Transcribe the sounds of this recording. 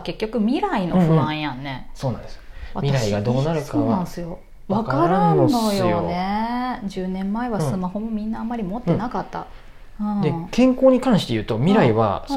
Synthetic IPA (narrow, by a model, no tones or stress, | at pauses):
ke̞kʲːo̞kɯ̟mʲiɾaino̞ɸɯ̟̃ãɰ̃jãnːe̞so̞ːnãd̪sβamʲiɾaiɡad̪o̞ːnaɾɯkaoːβãsɨjo̞ | βakkaɾannːo̞jojoned͡ʑɨːnẽ̞mːaeβassɨmaho̞mo̞mʲĩnːaːmːaɾʲimo̞t̪ːenakat̪ːa̰ | ɯ̃d̪ekẽ̞ŋkoːɲ̟ikãɰ̃ɕi̥t̪e̞jɯ̟ːt̪o̞mʲiɾaiβa̰s